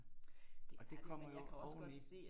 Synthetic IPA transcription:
ɒd̥e̝kʰɒ̽m̰ɐjo̝ɒʊni̥

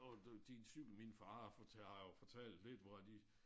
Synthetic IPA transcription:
ɒd̥insyɡ̥l̩minfɑ̈ːfʰofɒt͡sʰɛl̰d̥le̝d̥ʋɒæd̥i

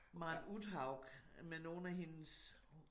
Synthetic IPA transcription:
ʋɑ̈nud̥ɦɑ̈ʊɡ̥meno̝ːn̩æɦe̝ns

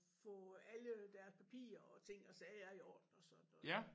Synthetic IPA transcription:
fɔ̰̽ːæləd̥æɐspʰæpʰḭːɐɒ̽t͡sʰe̝ŋ̰ɒ̽sɛːɐiɒ̰ːd̥n̩ɒ̽sɒ̽n̰n̩ɔ

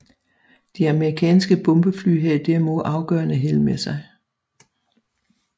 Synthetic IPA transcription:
d̥iæməʁikʰɛ̰ːnsɡ̥əb̥ɔ̽mb̥əfly̰ːɦed̥ɛɐ̰moðˠʔɑ̈ʊɡ̥œːɐnəɦelmesɑ̈ɪ

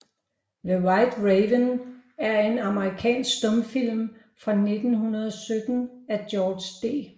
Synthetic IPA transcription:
ləwɑɪd̥ʁeʋənæɐe̝nɑ̈məʁikʰɛ̰ːnsɡ̥sd̥ɔmfil̰m | fʁɑ̈ne̝d̥n̩ɦunɐð̞ˠɒsød̥n̩æd̥jɒːd̥sd̥e̝̰ː

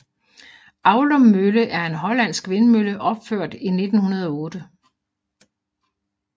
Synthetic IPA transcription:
ʔɑ̈ʊləmmøləʔæɐe̝nɦɒ̽læn̰sɡ̥ʰʋe̝nəmøləʔɒ̽b̥føɐ̰d̥ine̝d̥n̩hunɐð̞ˠɒɔ̽ːd̥ə

